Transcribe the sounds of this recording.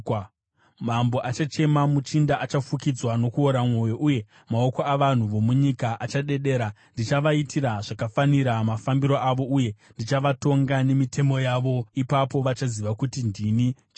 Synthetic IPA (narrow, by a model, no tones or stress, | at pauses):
mambo̞ʔat͡ʃat͡ʃe̞mamut͡ʃindaʔat͡ʃafukid͡zwano̞kuoɾamwo̞jo̞ʔuje̞ | mao̞ko̞aʋan̤uʋo̞muɲikaʔat͡ʃaɗe̞ɗe̞ːɾandit͡ʃaʋaitʰiɾaʐakafaniɾamafambiɾo̞ʔaʋo̞ʔuje̞ndit͡ʃaʋato̞ŋɡane̞mitʰe̞mo̞jaʋo̞ipapo̞ʋat͡ʃaziʋakutindinit͡ʃ